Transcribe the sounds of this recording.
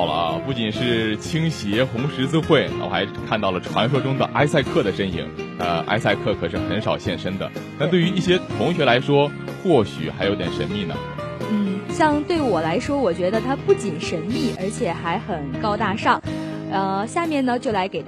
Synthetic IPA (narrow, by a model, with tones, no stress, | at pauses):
ɑ˨˩ʊlə̰˦pu˥˩t͡ɕi˨˩nʂɻ̩˥˩t͡ɕʰi˥ŋɕjɛ˧˥xʊ˧˥ŋʂɻ̩˧˥t͡sɹ̩˥xwe˥˩ɪ˨˩wɔ̰˨˩xa̰˧˥ɪkʰa˥˧nt̪ɑ˥˩ʊlə˩ʈ͡ʂʰwa̰˧˥nʂ̬wɔ˥ʈ͡ʂʊ˥ŋd̪ə˨ʔa˥ɪsa˥˧ɪkʰɤ˥˩d̪ə˩ʂə˥nḭ˨˩˦ŋə̰˧a̰˥ɪsa˥˧ɪkʰɤ˥˩kʰɤ˨˩ʂɻ̩˥˩xə˧˥nʂɑ˨˩ʊɕjɛ˥˩nʂə˥ŋd̪ə̰˨t̪a˥˧t̪we˥˩ɪy˧˥i˥˩ɕjɛ˥t̪ʰʊ˧˥ŋɕɥɛ˧˥la˧˥ɪʂwɔ˥xwɔ˥˩ɕy̰˨˩xa˧˥ɪjo˧˥ʊt̪jɛ˨˩ʂə˧˥nmi˥˩nə̰˩ | n̩˥˩ɕjɑ˥˧ŋt̪we˥˩ɪwɔ˨˩la˧˥ɪʂwɔ˥wɔ˨˩t͡ɕɥɛ˧˥d̪ə˧t̪ʰa˥pu˥˩t͡ɕi˨˩nʂə˧˥nmi˥˩ʔə˞˧˥t͡ɕʰjɛ˨˩xa˧˥ɪxə˨˩nkɑ˥ʊt̪a˥˧ʂɑ˥˩ŋ | ə˥˧ɕja˥˧mjɛ˥˩nnə˩t͡ɕjo˥˩ʊla˧˥ɪke˨˩ɪ